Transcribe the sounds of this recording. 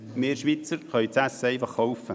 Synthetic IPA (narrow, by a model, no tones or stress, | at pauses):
meːɾʃʋit͡səɾχœʏt͡sæseɪfɑχːowfə